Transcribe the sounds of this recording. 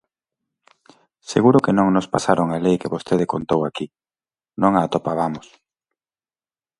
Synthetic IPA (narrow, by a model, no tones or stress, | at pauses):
seɣuɾʊkenõŋnʊspasaɾoŋalejkeβost̪eðɪkont̪owaki | nõŋaːt̪opaβ̞amʊs